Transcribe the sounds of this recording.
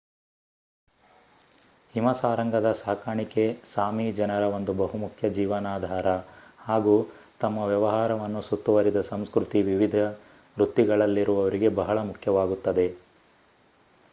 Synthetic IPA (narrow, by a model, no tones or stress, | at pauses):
himɐsaːɾɐŋɡɐd̪ɐsaːkaːɳike̞saːmid͡ʒɐnɐɾɐo̞nd̪ubɐɦumukʰjɐd͡ʒiːʋɐnaːd̪ʱaːɾɐhaːɡuː | t̪ɐmːɐʋjɛʋɐɦaːɾɐʋɐnːusut̪ːuʋɐɾid̪ɐsɐmskɾut̪iʋiʋid̪ʱɐ | ɾut̪ːiɡɐɭɐlːiɾuʋɐʋɐɾiɡe̞bɐɦɐɭɐmukʰjɐʋaːɡut̪ːɐd̪e̞